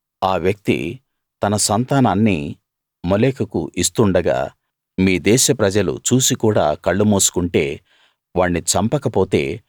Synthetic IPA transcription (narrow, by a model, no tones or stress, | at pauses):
aːʋjɐk̚t̪ḭ | t̪ɐnɐsɐnt̪aːnaːnːi | moleːkɐkṵʔist̪uɳɖɐɡa̰ː | miːd̪ɛːʃɐpɾɐd͡ʒɐlṵt͡ʃuːsikuːɽa̰ːkɐɭːumoːsu̥kuɳʈe̞ː | ʋaːɳːit͡ʃɐmpɐkɐpo̞ːt̪e̞̰ː